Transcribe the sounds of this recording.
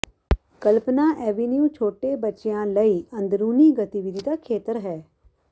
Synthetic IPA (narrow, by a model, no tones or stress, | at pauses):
kəlpnaːʔɛːʋiːnjũːt͡ʃʰoːʈeːbətːt͡ʃejãːləiːʔə̃nd̪ɾuːniːɡət̪iʋɪd̪id̪aːkʰeːt̪əɾɦɛː